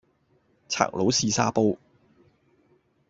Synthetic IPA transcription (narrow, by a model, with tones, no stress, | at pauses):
t͡sʰa̰ː˨˩k̚lo˨˥wsiː˧saː˥po˥w